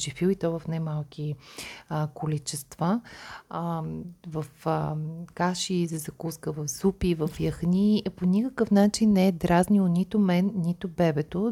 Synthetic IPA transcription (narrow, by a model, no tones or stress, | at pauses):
ʒifilit̪ɔvɐfnajmalˠk̟i | kolit͡ʃɛst̪va | vɐfəkaʃizɐzɐkuskəvɐfzupivɐfjɐxniponʲikəkəfnat͡ʃinːɛɛd̪ɾaznionʲit̪ʊmɛnːit̪ʊbɛbɛt̪o